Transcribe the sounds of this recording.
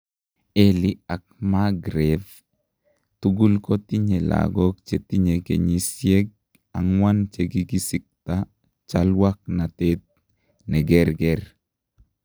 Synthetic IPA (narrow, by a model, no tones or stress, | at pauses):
eliak̚maɡɾɛð | tuɡulkot̪iɲela̰ɡɔk̚t͡ʃetiɲekḛɲisjeɡ̚ | a̰ŋwant͡ʃeɡiɡisɪk̚ta | t͡ʃalwak̚natet̪̚ | nɛɡɛɾɡɛɾ